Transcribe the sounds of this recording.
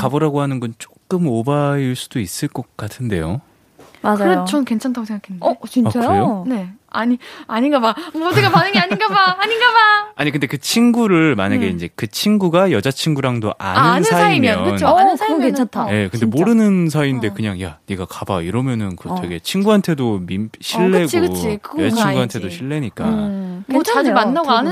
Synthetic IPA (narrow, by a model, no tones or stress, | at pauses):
kaboɾaɡohanɯnɡʌnt͡ɕ͈o̥k͈̚ɯmobaiɭs͈ud̥ois͈ɯɭk͈ʌk̚k͈atʰɯnde̞̰jo | makd͡ʑaɯɾeot͡ɕʌnke̞nt͡ɕʰantʰaɡosʰeŋɡakʰenːɯndt͡ɕinat͡ɕaɯɾejone̞aɲiaɲinɡabamodɯɡapanɯŋiaɲinɡabaːɲinɡabaaɲikɯnde̞kɯt͡ɕʰinɡuɾɯɭmaɲaɡe̞ind͡ʑe̞kɯt͡ɕʰinɡuɡajʌd͡ʑat͡ɕʰinɡuɾaŋdoʔa̰ɲinnɯasiimjʌnʌɯnookenʰatʰaje̞kɯnde̞moɾɯnɯns̬ʰainde̞kɯɲaŋja̰niɡakabaiɾʌmjʌnɯnkɯt͡ɕeɡe̞t͡ɕʰinɡuɦantʰe̞domimɕʰiɭːe̞ɡt͡ɕikɯt͡ɕʰikɯɡet͡ɕʰiŋɡuɦantʰe̞doɕʰiɭːe̞ɲik͈a | t͡ɕʰad͡ʑumanːaɡɡoanɯ